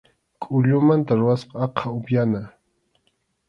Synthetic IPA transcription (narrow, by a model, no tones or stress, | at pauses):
kʼʊʎʊmant̪aɾʊwasqɑɑqʰɑʊpjana